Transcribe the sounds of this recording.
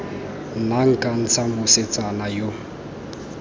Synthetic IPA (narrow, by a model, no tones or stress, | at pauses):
naŋ̩kʼan̩t͡sʰamʊset͡sʼanajo